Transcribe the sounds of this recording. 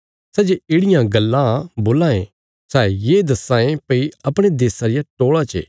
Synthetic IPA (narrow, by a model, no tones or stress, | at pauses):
sɛːd͡ʒeɪːɽɪjãɡɐlːãboːlãːẽ | sɛːjeːd̪ɐsãːẽpɐiɐpɽ̃ed̪eːsaɾɪjaʈoːɭat͡ʃḛ